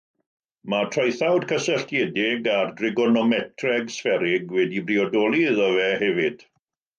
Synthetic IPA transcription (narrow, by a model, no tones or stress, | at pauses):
matʰrajθawd̥kʰəsəɬtjɛdɪɡardrɪɡɔnɔmɛtʰrɛɡsfɛɾɪɡwɛdibriɔdɔlˠiðɔvɛhɛvɪd̥